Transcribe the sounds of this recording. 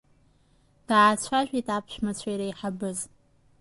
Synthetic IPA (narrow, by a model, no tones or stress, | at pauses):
ɡ̥aʕːt͡ɕʷʰaʒʷᶣitʰʼaːpʰɕʷᶣmat͡ɕʷʰaiɾajħabɨz